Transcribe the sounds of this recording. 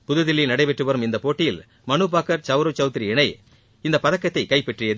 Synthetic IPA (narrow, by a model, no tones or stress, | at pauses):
pʊðɐðɪlːɪnɐɽɐɪpɛʈrɯʋɐɾɯmɪnd̪ɐpoːʈːɪjɪl | mɐnɯpaːkɐɾt͡ʃɐʋɾot͡ʃɐʋʊt̪ɪɾiɛɳɐɪ | ɪnd̪ɐpɐðɐkːɐt̪ːɐɪkɐɪpːɛʈrɪjɐð